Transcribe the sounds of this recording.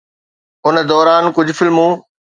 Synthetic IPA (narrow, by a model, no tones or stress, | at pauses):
ʊnə̆d̪ɔːɾaːnkʊd͡ʑʱʊfɪlmũː